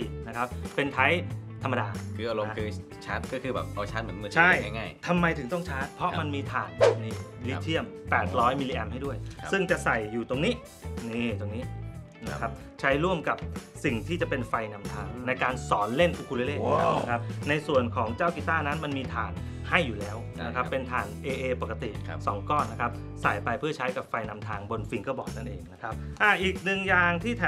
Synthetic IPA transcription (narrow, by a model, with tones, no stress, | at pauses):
i˨˩na˦˥kʰa˦˥p̚pːe˧nt̪ʰa˦˥jt̪ʰa˧mːa˧daː˧kʰɯː˧ʔa˧lo˧kʰɯː˧ | t͡ɕʰaː˦˥t̪̚kɔː˥˩kʰɯː˧bɛː˨˩p̚ʔa˧wt͡ɕʰa˦˥t̪̚mɯ˩˦nmɯ˧˩t͡ɕʰa˦˥˩jŋa˥˩ŋaː˥˩jt̪ʰa˧mːa˧jt̪ʰɯ˩˦ŋt̪ɔ˥˩ŋt͡ɕʰaː˦˥t̪̚pʰɾɔ˦˥ma˧nmiː˧t̪ʰaː˨˩nb̚ni˧˩˧li˦˥˦t̪ʰi˥˩əmpɛː˨˩t̪̚ɾɔː˦˥jmi˧li˧ʔɛ˧mɦa˥˩jdu˥˩əjsɯ˥˩ŋt͡ɕa˨˩ʔsa˨˩jːuː˨˩t̪o˧ŋniː˦˥ | niː˧˩t̪o˧ŋniː˦˥ | na˦kʰa˦˥p̚ | t͡ɕʰa˦˥jɾu˥˩əmka˨˩p̚si˨˩ŋt̪ʰiː˥˩t͡ɕa˨˩pe˧nfa˧jna˧mt̪ʰaː˧ŋna˧jkaː˧nsɔː˩˦nle˥˩nʔu˧kʰu˧leː˧leː˥˩na˦˥kʰa˦˥p̚na˧jsu˨˩ənkʰɔː˩˦ŋt͡ɕaː˥˩wki˨˩t̪aː˥˩na˦˥nma˧nmiː˧t̪ʰa̰ː˨˩n | ha˥˩jːuː˨˩lɛː˦˥w | na˦˥kʰa˦˥ppːe˧nt̪ʰaː˨˩nʔeː˧ʔeː˧po˨˩ka˧t̪ḭ˨˩sɔː˩˦ŋkɔː˥˩nːa˦˥kʰa˦˥p̚ | sa˨˩jpa˧jpʰɯ˥˩ət͡ɕʰa˦˥jka˨˩p̚fa˧jna˧mt̪ʰaː˧ŋbo˧nfi˧ŋkɔː˥˩bɔː˨˩k̚na˥˩nʔeː˧ŋna˦˥kʰa˦˥p̚ʔaː˧˩ʔiː˨˩k̚nɯ˨˩ŋjaː˧ŋt̪ʰiː˥˩t̪ʰː